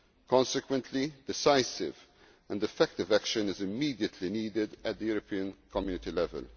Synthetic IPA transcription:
kɔ̃nsəkwə̃ntʰlid̪ɪsaɪsɪ̰v | ə̃nd̪ɪfɛktɪvækʃə̃nɪzɪmiːd̪iət̪ʰliniːd̪ɪd̪ət̪̚d̪əjuːɾɔpiːə̃nkɔmjuːnɪt̪ilɛvə̰l

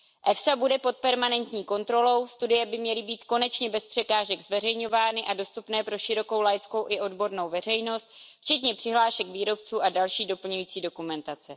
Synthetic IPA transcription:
ʔɛfsabudɛpo̞t̪̚pɛɾmanɛnt̪ɲiːko̞nt̪ɾo̞lo̞wst̪udɪjɛbɪmɲɛlɪbiːt̪ko̞nɛt͡ʃɲɛbɛspr̥ɛkaːʒɛɡzvɛrɛjɲo̞vaːnɪʔado̞st̪upnɛːpɾo̞ʃɪɾo̞ko̞wlajt͡sko̞wʔɪʔo̞dbo̞ɾno̞wvɛr̝ɛjno̞st̪̚ft͡ʃɛt̪ɲɛpr̥ɪɦlaːʃɛkviːɾo̞pt͡suːʔadalʃiːdo̞pl̩ɲujiːt͡siːdo̞kumɛnt̪at͡sɛ

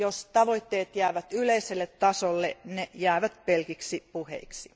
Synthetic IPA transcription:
jost̪ɑʋoit̪ːeːt̪jæˑːʋæt̪yleiselːet̪tɑsolːenejæˑːʋæt̪pelkiksipuhḛiksi̥

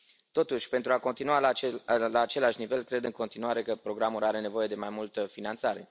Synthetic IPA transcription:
t̪o̞t̪uʃʲpe̞nt̪ɾuako̞nt̪inualaelaːt͡ʃe̞leaʃnive̞lkɾe̞d̪ɨŋko̞nt̪inuaɾe̞kəpɾo̞ɡɾamuɾaɾe̞ne̞vo̞je̞d̪e̞majmult̪əfinant̪saɾe̞̰

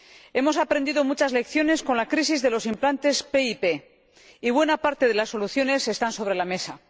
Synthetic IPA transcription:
e̞mo̞sapɾend̪iðo̞mut͡ʃazle̞kθjo̞ne̞sko̞nlakɾis̬izðe̞lo̞simplant̪e̞spe̞ipe̞ | iβwe̞napaɾt̪e̞ðe̞lasːo̞luθjo̞ne̞se̞st̪anso̞β̞ɾe̞lame̞sa

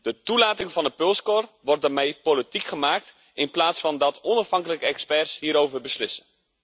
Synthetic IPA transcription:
d̥ətulaːtɪŋvɑndəpɵlˠskɔrʋɔrtdaːrmejpolitikχəmaːk̚t | ɪnplaːtsfɑndɑtʰɔnɑfhɑŋkələkəɛkspɛrshiːɾowvərbəslɪsən

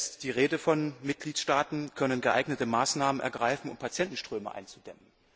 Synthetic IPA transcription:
std̥iːʁeːdəfɔnmɪt̚ɡ̥liːtʃtaːtn̩kʰœnənɡəʔaɪɡnətəmaːsnaːmənʔɛ̰ɐɡʁaɪfn̩ʊ̰mpʰat͡sjɛntn̩ʃtʁ̥øːmə̰ʔa̰ɪnt͡su̥dɛmən̩

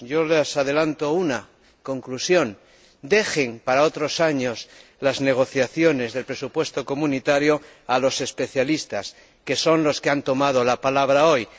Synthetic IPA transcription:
ɟ͡ʝo̞lesaðe̞lant̪o̞una | ko̞ŋklusjo̞n | d̪e̞xe̞ŋpaɾaot̪ɾo̞saɲo̞slazne̞ɣ̞o̞θjaθjo̞ne̞zðe̞lpɾe̞supwe̞st̪o̞ko̞munit̪aɾjo̞ | alo̞se̞spe̞θjalist̪as | ke̞so̞nlo̞ske̞ant̪o̞mað̞o̞lapalaβɾao̞j

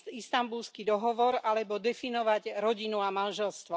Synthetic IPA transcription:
ist̪ambulskid̪ɔɦɔʋɔɾalɛbɔd̪ɛfinɔʋaɟɾɔɟinuamanʒɛlst̪ʋɔ

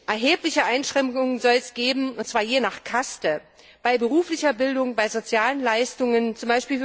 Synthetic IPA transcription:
ʔɛɐɦeːplɪçəʔaɪnʃʁ̥ɛŋkʊŋənzɔlɛsɡ̥eːbm̩ʊntt͡sv̥aːɐjeːnaːχkʰastə | b̥aɪbəʁ̞uːflɪçɐbɪldʊŋbaɪzot͡sjaːlənlaɪstʊŋənt͡sʊmbaɪʃpiː

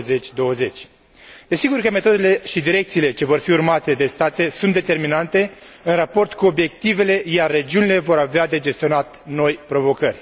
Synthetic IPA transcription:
ze̞t͡ʃʲd̪o̞wəze̞t͡ʃʲ | d̪̥e̞siɡurkəme̞t̪o̞d̪ele̞ʃid̪iɾe̞k̚t̪siːlet͡ʃe̞vo̞rfiurmat̪e̞d̪e̞st̪at̪e̞sunt̪d̪e̞t̪e̞rminant̪e̞ | ɨnrapo̞rt̪kuo̞bje̞k̚t̪ive̞le̞jarːe̞d͡ʒiunile̞vo̞ɾavead̪e̞d͡ʒest̪io̞nat̪no̞jpɾo̞vo̞kərʲ

